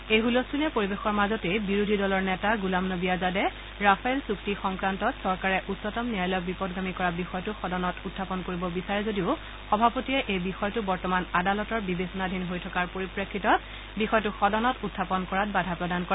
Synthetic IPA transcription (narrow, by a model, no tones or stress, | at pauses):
ejɦulostʰunɛpoɹibexɔɹmazɔtejbiɹudʱidɔlɔɹnɛtaɡulamnobijazadɛ | ɹapʰaɛlsuktixɔŋkɹantɔtsɔɹkaɹɛʔutsɔtɔmniajlɔjk̚bipɔdɡamikɔɹabixɔjtʊxɔdɔnɔtutʰːapɔnkoɹibɔbisaɹɛzodiʊ | xɔbʱapotiɛʔejbixɔjtʊbɔɹtɔmanadalɔtɔɹbibesɔnadʱinɦojtʰɔkaɹpoɹipɹekʰːitɔt̚ | bixɔjɔtʊxɔdɔnɔtutʰːapɔnkɔɹatbadʱapɹɔdankɔɹɛ